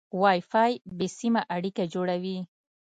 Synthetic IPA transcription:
wajfajbɪsɪmaʔaɽɪkad͡ʒʊɽawi

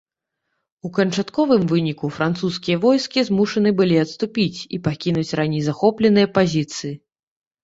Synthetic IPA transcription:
ukɐnt͡ʂat̪kɔvɨmvɨnʲikufɾant̪suskʲijɐvɔjskʲizmuʂɐnɨbɨlʲiɐt̪st̪upʲit͡sʲipakʲinut͡sʲranʲejzaxɔplʲɛnɨjɐpazʲit̪sɨji

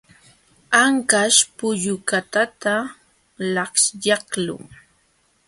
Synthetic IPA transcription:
aŋkaʃpʊʎʊkat̪at̪a | lɑχʃjɑhlʊ̰ŋ

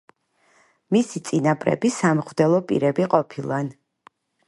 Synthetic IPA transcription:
misit̪sʼinapʼɾɛ̰bisamχvd̪ɛlˠɔpʼḭɾɛbiqʼɔpʰilˠan

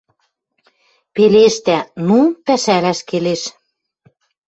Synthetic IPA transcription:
peleʃt̪ænupæʃælæʃkeleʃ

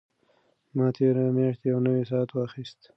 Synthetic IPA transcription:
mɑt̪ʰeɾamjɑʃt̪ejawnəwesɑat̪wɑxist̪

